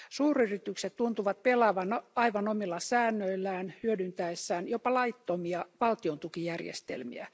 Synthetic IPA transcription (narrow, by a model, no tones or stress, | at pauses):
suːryrit̪ykset̪t̪unt̪uʋɑt̪̚pelɑʋɑnɑiʋɑnomilːɑsæːnːøilːæːnhyødynt̪æesːæːnjopɑlɑit̪ːomiɑʋɑlt̪iont̪ukijærjḛst̪ḛlmḭæ̰